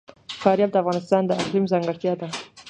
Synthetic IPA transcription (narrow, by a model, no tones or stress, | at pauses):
kɑɾjɑb̚d̪əafɣɑnɪst̪ɑnd̪əaqlimzɑŋɡəɽt̪jɑd̪a